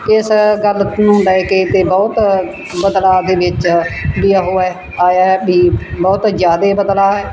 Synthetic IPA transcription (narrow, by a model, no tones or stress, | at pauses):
ɪsɡəlnũːlɛːkeːt̪eːbɔːt̪ | bəd̪laːd̪eːʋɪt͡ʃbiːəɦoːɛː | aːjaːbiːbɔːt̪d͡ʒjaːd̪eːbəd̪laːɦɛː